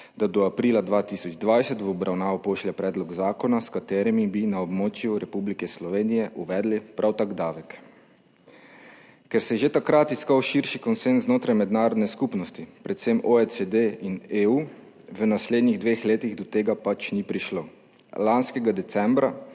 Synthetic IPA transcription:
d̪̥ad̪ɔapɾiːlad̪ʋaːt̪isɔd͡ʒd̪ʋajsɛt̪ʋɔbɾʔawnaːʋɔpoːʃlɛpɾɛːd̪lɔɡzaːkɔnaskat̪eːɾɛmibinaɔbmoːt͡ʃjuɾɛpublikɛslɔʋeːnijɛʔuʋɛːd̪lipɾawt̪aɡd̪aːʋɛk | kɛɾsɛjʒet̪akɾat̪iskawʃiɾʃikɔnsenszznoːt̪ɾajmɛd̪naːɾɔd̪nɛskupnɔst̪ipɾɛt̪semoɛsed̪eineu | ʋənasleːd̪niɣd̪ʋeːxleːt̪iɣd̪ɔt̪eːɡapat͡ʃnipɾiʃloː | lanskɛɡad̪ɛt̪t͡ssɛmbɾa

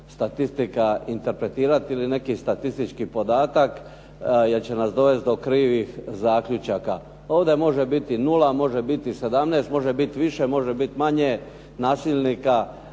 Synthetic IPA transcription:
st̪at̪ist̪ikaint̪e̞ɾpɾe̞t̪iːɾat̪iline̞kist̪at̪ist̪it͡ʃkipo̞d̪aːt̪ak | jelt͡ɕe̞nasd̪o̞ʋe̞st̪̚d̪okɾiːʋixzaːkʎut͡ʃaka | o̞ːʋd̪e̞mo̞ʒe̞bit̪inulamo̞ʒe̞bit̪ise̞d̪amneːst̪mo̞ʒebit̪ʋiʃe̞mo̞ʒebit̪maɲe | naːsiʎnika

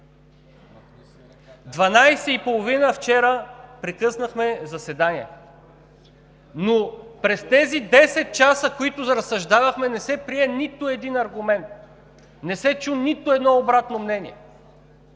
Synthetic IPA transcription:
d̪vɐnajsɛipolˠovinəft͡ʃɛɾəpɾɛkɤsnəxmɛzɐsɛd̪aniɛ | nopɾɛst̪ɛzid̪ɛsɛt̪̚t͡ʃasəkoit̪ʊzɾɐsɐʒd̪avɐxmɛnɛsɛpɾiɛnit̪oɛd̪inɐɾɡʊmɛnt̪̚ | nɛsɛt͡ʃunit̪ʊɛd̪nɔobɾat̪nomnɛnʲiɛ

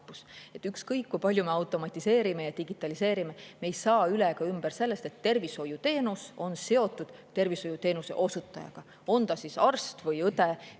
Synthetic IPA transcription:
pːuse̞t̪ːˑykskɤjkːujpɑlʲjume̞ɑwt̪ːˑo̞mɑt̪ʲːˑise̞ːɾime̞jɑt̪iɡit̪ːˑɑliseːɾime̞meːjsɑːyleɡɑymb̥eɾse̞lːe̞st̪e̞t̪ːe̞rviso̞jut̪e̞ːnuso̞nse̞o̞t̪ːˑud̪̥t̪e̞rviso̞jut̪e̞ːnuse̞̰ʔo̞sut̪ːˑɑjɑ̰ɡ̥ɑ | o̞nt̪ɑsisɑrst̪vɤjɤt̪e

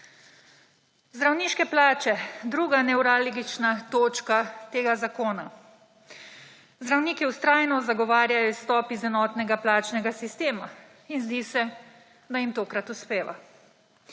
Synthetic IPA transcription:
zd̪ɾawniːʃkɛplaːt͡ʃɛd̪ɾuːɡanɛwɾaːlɡit͡ʃnat̪oːt͡ʃkat̪eːɡazakoːna | zd̪ɾawniːkiust̪ɾaːjnɔzaɡɔʋaːɾjajɔwst̪ɔːpizɛnɔːt̪nɛɡaplaːt͡ʃnɛɡasist̪eːma | inzd̪iːsɛ | d̪ajimt̪oːkɾat̪uspeːʋa̰

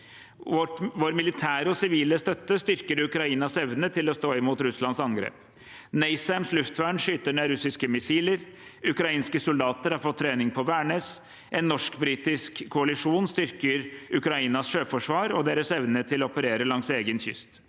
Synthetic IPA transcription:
ʋoːɾmɪlɪt̪ʰæːɾɔsɪʋiːləst̪œt̪ːəst̪ʏɾkəɾʉkɾɑiːnɑsɛʋnət̪ʰɪlɔst̪oːɪmuːt̪ɾʉslɑnsɑnɡɾḛːp | nɛɪsæmslʉft̪ʋæːɳʂʏːt̪əɳeɾʉsɪskəmɪsiːləɾʉkɾɑiːnskəsʊld̪ɑːt̪əɾhɑɾfɔt̪ʰːɾeːnɪŋpʰɔʋæːɳeːs | ʔɛnːɔʂkbɾiːt̪ɪskʰːʊɑlɪʂuːnst̪ʏɾkəɾʉkɾɑiːnɑsʂøːfɔʂʋɑːɾɔd̪eːɾəsɛʋnət̪ʰɪlɔɔpəɾeːɾəlɑŋseːɡənçʏst̪

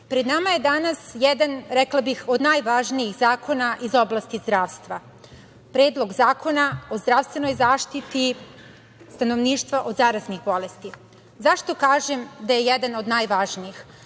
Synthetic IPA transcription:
pɾed̪namaje̞d̪anasjɛd̪anɾɛklˠabixo̞d̪naːjʋaʒnijixzaːkʰo̞naʔizo̞blaːst̪izd̪ɾaːʋst̪ʋa | pɾeːd̪lˠo̞ɡzaːkʰo̞nao̞zd̪ɾaʋst̪ʋeno̞jzaːʃt̪it̪i | st̪ano̞ʋniːʃt̪ʋaʔo̞d̪zaːɾaznixbo̞lest̪i | zaʃt̪o̞kaːʒemd̪ajejed̪ano̞d̪naːjʋaʒniix

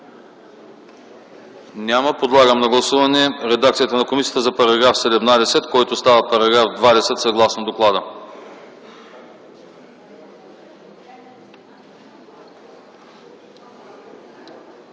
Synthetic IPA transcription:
nʲaməpod̪lˠaɡəmnɐɡlˠɐsuvɐnɛɾɛd̪ak̚t̪sijət̪ənɐkomisijə̥t̪əzɐpɐɾɐɡɾafsɛd̪ɛmnad̪ɛsɛt̪kɔjt̪ost̪avəpɐɾɐɡɾafd̪vad̪ɛsɛt̪sɐɡlˠasnod̪oklˠad̪ə

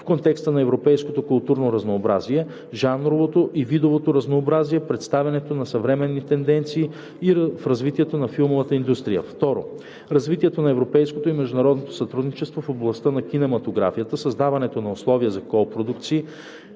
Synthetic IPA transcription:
fkont̪ɛkst̪ənɐɛvɾopɛjskot̪okʊlˠt̪uɾnoɾɐznoːbɾaziɛ | ʒanɾovot̪oʔivid̪ovot̪oɾɐznoːbɾaziɛpɾɛt̪st̪avʲɐnɛt̪onɐsɐvɾɛmɛnːit̪ɛnd̪ɛnt̪siː | ifɾɐzvit̪iɛt̪onɐfilˠmovət̪əind̪ust̪ɾijə̰ft̪ɔɾo̰ | ɾɐzvit̪iɛt̪onɐɛvɾopɛjskot̪oimɛʒd̪unɐɾɔd̪not̪o̥sɐt̪ɾud̪nit͡ʃɛst̪vofoblˠɐst̪ənɐk̟ʲinɛmɐt̪oɡɾa̰fijət̪əsɐzd̪avɐnɛt̪onɐoslˠɔviəzɐkɔpɾod̪uk̚t̪siː

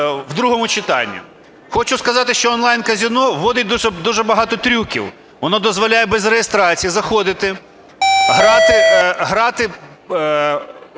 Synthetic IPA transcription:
wd̪ɾuɦɔmʊt͡ʃɪt̪ɑ̰nʲːʊ̰ | xɔt͡ʃʊskɐzɑt̪ɪʃt͡ʃɔɔnlˠɑjnkɐzʲinɔʋɔd̪ɪt̚ʲd̪uʒɛd̪uʒɛbɐɦɑt̪ɔt̪ɾʲukʲḭw | ʋɔnɔd̪ɔzʋɔlʲajɛbɛzrejest̪ɾɑt͡sʲijizɐxɔd̪ɪt̪ɪ | ɦɾɑt̪ɪɦɾɑt̪ɪ

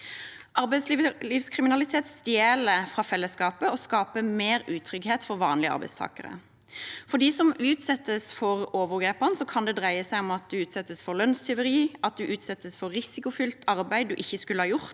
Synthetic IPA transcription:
ʔɑɾbæɪsllɪːfskʰʁɪmɪnɑlɪt̪ʰeːt̪st̪jeːləfʁɑːfɛlːəskɑːpəɔskɑːpəmeːɾʉːt̪ʰɾʏɡheːt̪fɔʁʋɑːnlɪəɑ̰ɾbæ̰ɪst̪ʰɑ̰ːkə̰ʁə̰ | fɔd̪iːsɔmʉːt̪sɛt̪ːəsfɔʁoːʋəʁɡeːpənsɔkʰɑnd̪ɛd̪ʁæɪəsæɪɔmɑt̪̚d̪ʉʉːt̪sɛt̪ːəsfɔʁlœnst̪ʰɛʊʁiːɑt̪̚d̪ʉʔʉːt̪sɛt̪ːəsfɔʁɪsɪkʊfʏlt̪ʰɑʁbæɪd̪d̪ʉʔɪçːəskʉləhɑːjʊʁt̪

